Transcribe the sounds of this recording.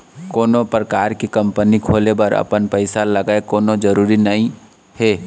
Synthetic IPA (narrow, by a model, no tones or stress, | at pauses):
koːnopɾəkaːɾkekɐ̃mpənikʰoːlebɐɾɐ̰pənpəɪsalɐɡaekoːnod͡ʒəɾuːɾinɐɦĩ | heː